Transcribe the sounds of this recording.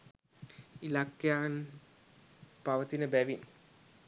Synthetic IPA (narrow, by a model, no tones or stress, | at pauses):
ilakjaːn | paʋət̪inəbæʋin